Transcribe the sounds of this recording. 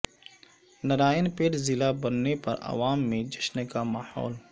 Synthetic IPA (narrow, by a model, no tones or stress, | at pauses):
nɐɾaːənpeːʈzɪlabɐnːepɐ̰ɾɐ̰ʋaːmːẽd͡ʒɐʃnkamahɔ̰ːl